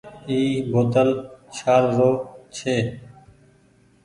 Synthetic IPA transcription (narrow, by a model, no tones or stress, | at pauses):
iːboːt̪əlt͡ʃʰaːɾɾoːt͡ʃʰeː